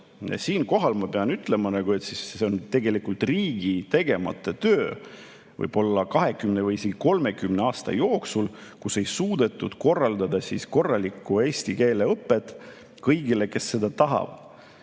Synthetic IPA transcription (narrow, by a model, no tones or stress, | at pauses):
jɑ̰siːnko̞ɦɑlmɑpe̞ɑnyt̪ˑle̞mɑnɑɡue̞t̪sisːeo̞nt̪e̞ɡe̞likult̪riːɡ̥it̪e̞ɡ̥e̞mɑ̰t̪ːˑet̪øː | vɤ̰jb̥o̞lːɑkɑɦe̞kymne̞vɯjiseɡ̥iko̞lme̞kymne̞ɑːst̪ɑ̰jo̞ːksulkuse̞jsuːd̪̥e̞t̪ːˑud̪̥ko̞rːɑld̪̥ɑd̪ɑsḭsko̞rːɑlikːˑue̞ːsʲt̪ike̞ːle̞ɤpːˑet̪ːˑ | kɤjɡile̞ke̞sːe̞d̪ɑt̪ɑɦɑ̰b̥̪